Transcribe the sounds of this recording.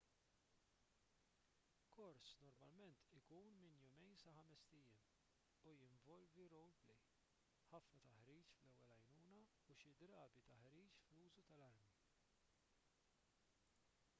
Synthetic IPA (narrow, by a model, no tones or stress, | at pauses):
kɔɾsnɔɾmɐlmɛnt̪ɪkuːnmɪnjʊmɛjnsɐħɐmɛst̪ɪjɪm | ujɪɱvɔlviɾɔwlplɛj | ħɐfnɐt̪ɐħɾiːt͡ʃflɛwːɛlɐjnuːnɐ | uʃɪd̪ɾɐːbit̪ɐħɾiːt͡ʃfluːzut̪ɐlɐɾmi